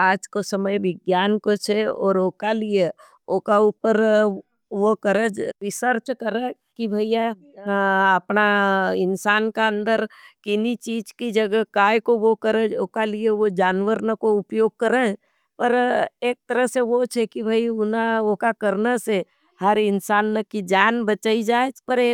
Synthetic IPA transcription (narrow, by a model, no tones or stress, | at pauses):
aːd͡ʒkosəməjʋɪɡjaːnkot͡ʃʰeɔːɾoːkalije | oːkaupəɾ | ʋokəɾəd͡ʒɾɪʃəɾt͡ʃkəɾẽkibʱəija | əpnaɪnsaːnkeə̃nd̪əɾkɪnit͡ʃiːd͡ʒkid͡ʒɐɡəkaːjkoʋokəɾeokalieʋod͡ʒaːnʋəɾnəkoʊpjoːɡ̚kəɾe | pəɾeːk̚t̪əɾəɦseʋot͡ʃʰekibʱaiʊnaokakəɾnase | həɾɪnsaːnːekid͡ʒaːnbət͡ʃaːid͡ʒaːet͡ʃpəɾeː